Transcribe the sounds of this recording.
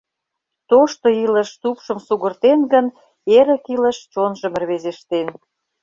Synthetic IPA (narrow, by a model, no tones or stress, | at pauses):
t̪oʃt̪oiləʃt̪upʃə̆msuɣə̆rt̪enɡən | eɾə̆kiləʃt͡ɕonʒə̆mə̆rβezeʃt̪en